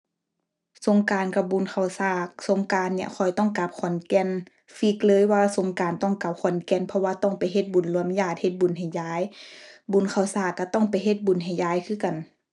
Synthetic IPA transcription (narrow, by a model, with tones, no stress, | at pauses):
so˧˦ŋkaː˨nka˧˩bu˨˩nkʰa˧˩wsaː˧˩k̚so˨˧˦ŋkaː˨nːi˧ə˨kʰɔ˨˩jt̪ɔ˥˨ŋka˧˦p̚kʰɔ˨˩nkɛ˧˥˨n | fi˧˦k̚lɤː˧˨jwaː˧so˨˦ŋkaː˨nt̪ɔ˧˥˩ŋka˧˦p̚kʰɔ˨˩nkɛ˧˥npʰɔ˧waː˧t̪ɔ˧˥˩ŋpa˨jɦe˧˦t̪̚bu˨˩nlu˧ə˨mjaː˧˩t̪̚he˧˦t̪̚bu˨˩˨nɦa˨˩jjaː˧˦˨jbu˨˩˨nkʰa˧˩wsaː˧˩kːa˧t̪ɔ˥˨ŋpa˨jɦe˧˦t̪̚bu˨˩˨nɦa˨˩jjaː˧˩˨jkʰɯː˧˥˨ka˨n